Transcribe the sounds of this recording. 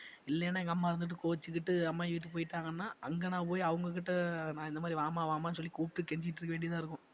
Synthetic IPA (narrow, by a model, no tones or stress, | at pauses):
ɪlːɛjɐnːaːɛŋɡɐmːaːɪɾɯnd̪ɯʈːɯkoːt͡ʃːɯkːɪʈːɯɐmːaːɪʋiʈ̬ːɯpoːjɪʈːaːŋɡɐnːaːʔɐŋɡɐnaːp̬oːjiɐʋɐŋɡɐk̬ːɪʈːɐnãːɪnd̪ɐmaːd̪ɾiʋaːmaːʋaːmaːnɯsɔlːikuːp̚ʈːɯkɛɲd͡ʒɪʈ̬ːrɾɯkːɐʋeːɳɖɪiɐt̪ãːɪɾɯkːʊ̃